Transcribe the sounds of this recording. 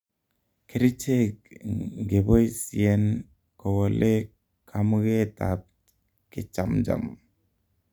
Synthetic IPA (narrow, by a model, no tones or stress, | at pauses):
kʰeɾit͡ʃʰe | ɡebɔjsien | kɔwalʔe | kʰamɡet̪a̰p̚ | ket͡ʃamd͡ʒa̰m